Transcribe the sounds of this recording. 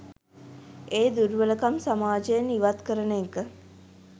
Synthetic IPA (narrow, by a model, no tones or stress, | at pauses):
eːd̪uɾʋələkamsamaːd͡ʒəjeniʋat̪kəɾənəkə